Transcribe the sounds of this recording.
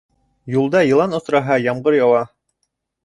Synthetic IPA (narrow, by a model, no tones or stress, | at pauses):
julˠd̪ɑjɤ̆lˠɑnŏsɾɑɦɑjɑmɢɤɾjɑwɑ